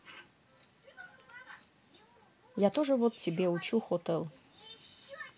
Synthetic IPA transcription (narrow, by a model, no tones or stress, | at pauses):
jat̪oʐəvot̪t͡sʲibʲeut͡ʃuxot̪əlˠ